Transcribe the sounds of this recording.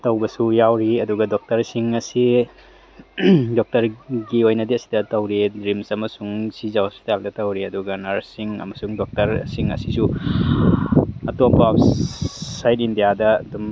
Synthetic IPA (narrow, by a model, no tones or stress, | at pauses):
tɐwbɐsujawɾiɐduɡɐdok̚tɐɾsiŋɐsi | dok̚tɐɾɡiojnɐdiɐsi̥dɐtɐwɾidɾimsɐmɐsuŋsizawsi̥taldɐtɐwɾiɐduɡɐnɐɾsiŋɐ̰mɐsuŋdok̚tɐɾsiŋɐ̰sisu | ɐtomba | sajt̚indijadɐɐ̰dum